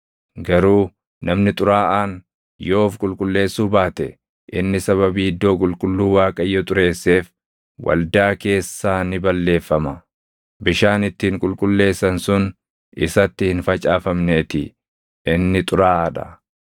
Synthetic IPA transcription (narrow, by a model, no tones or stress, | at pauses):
ɡɐɾuː | nɐmnɪt̪ʼʊɾaːʔaːn | jo̞ːfkʼʊlkʼʊlːe̞ːsːuːbaːt̪ɛ | ʔɪnːɪsɐβɐbiːɪd̪ːo̞ːkʼʊlkʼʊlːuːwaːkʼɐɪjːɔt̪ʼʊɾe̞ːsːe̞ːf | wɐ̰ld̪aːke̞ːsːaːnɪbɐlːe̞ːfːɐmɐ | bɪʃaːnɪt̪ːɪːŋkʼʊlkʼʊlːe̞ːsːɐnsʊn | ɪ̰sɐt̪ːɪhɪnfɐt͡ʃʼaːfɐmne̞ːt̪ɪ | ʔɪnːɪt̪ʼʊɾaːʔɐᶑɐ̰